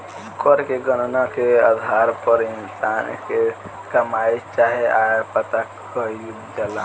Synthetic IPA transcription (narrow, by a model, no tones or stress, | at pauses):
kəɾkeɡənnakeəd̪ʱaːɾpəɾɪnsaːnke | kɐmaed͡ʒt͡ʃaːɦeaːpət̪a | kəi | d͡ʒəla